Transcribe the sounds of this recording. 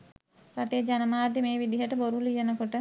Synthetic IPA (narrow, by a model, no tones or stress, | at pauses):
ɾɐʈeːd͡ʒanɐmaːd̪jemeːʋid̪iɦəʈəboɾulijɐnəkoʈə